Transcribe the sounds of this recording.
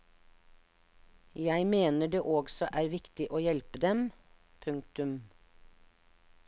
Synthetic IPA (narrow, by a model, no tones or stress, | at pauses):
jæɪmeːnəɖeːʔoːɡsɔʔæːɾʋɪkt̪ɪʔoːjɛlpəd̪ɛm | pʰʉŋk̚t̪ʉm